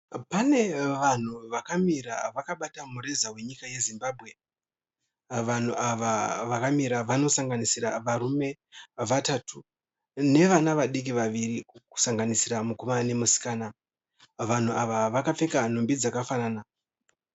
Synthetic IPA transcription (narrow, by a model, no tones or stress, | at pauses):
pane̞ʋan̤uʋakamiɾaʋakaɓatamuɾe̞zawe̞ɲikaje̞zimbaːbʱɣe̞ | ʋan̤uʔaʋaʋakamiɾaʋano̞saŋɡanisiraʋaɾume̞ | ʋatatʰu | ne̞ʋanaʋaɗik̬iʋaʋiriku̥saŋɡanisiramukomane̞musi̥kaːna | ʋan̤uaʋaʋakafe̞kan̤ombid͡zakafanaːna